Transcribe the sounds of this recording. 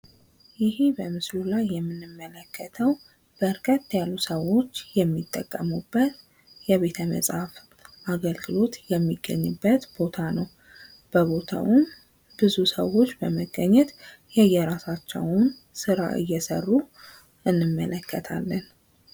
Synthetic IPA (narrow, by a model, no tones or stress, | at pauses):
jɪhibəmɨslulajːɛmːɨnːɨmːələkːət̪ʰəw | b̥əɾkʼət̪ʼːjalːusəwːo̞t͡ʃːjɛmːit̪ʼːəkʼːəmubːət̪ | jɛβe̞t̪ʰəmə̰sʼhaf | ʔaɡəlɡɨlo̞t̪jɛmːiɡːə̰ɲːɨbːət̪b̥o̞t̪ʰanəw | b̥əβo̞t̪ʰa̰wun | bɨzusəwːo̞t͡ʃːbəməɡəɲːɛt̪ | jɛjːɛɾasat͡ʃːɛwn | sɨɾa̰ʔɨ̰jːɛsə̰rːu | ʔɨnːɨmːələkʰːət̪ʰa̰lːən